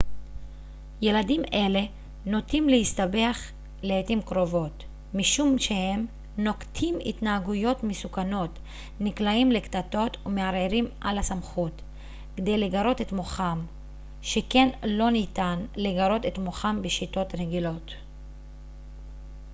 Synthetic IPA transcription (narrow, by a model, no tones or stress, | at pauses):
je̞ladimʔe̞le̞ | no̞timlehist̪abe̞aχ | leetimkʁo̞vo̞t | miʃumʃe̞he̞m | no̞ktʰimḭtnaaɡujo̞tmesukano̞t | niklaimle̞ktato̞tume̞aʁeɾimʔalasamχut | ked̪e̞jleɡaɾo̞te̞tmo̞χam | ʃe̞ke̞nlo̞nitanleɡaɾo̞te̞tmo̞χambeʃito̞tʁeɡilo̞t